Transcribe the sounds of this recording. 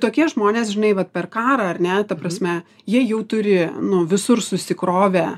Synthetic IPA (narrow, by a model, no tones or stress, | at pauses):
t̪oːkʲiɛʒmoːnʲeːsʒʲɪnɐɪʋɐt̪̚pʲɛrkɑːɾɐɐɾʲnʲɛt̪ɐpɾɐsʲmʲɛ | jiɛjɛʊt̪ʊɾʲɪnʊʋʲɪsʊrsʊsʲɪkɾoːʋʲæ